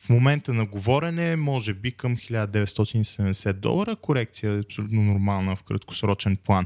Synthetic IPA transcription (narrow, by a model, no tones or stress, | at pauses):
fmomɛnt̪ənɐɡovɔɾɛnɛmɔʒɛbikəmxilʲad̪əd̪ɛvɛt̪st̪ɔt̪inisɛd̪ɛmd̪ɛsɛt̪̚d̪ɔ̰lˠəɾəkoɾɛkt̪sijəɛɐpsolʲut̪nonʊɾmalˠnəfkɾɐ̰t̪̚ko̥sɾɔt͡ʃɛnplˠan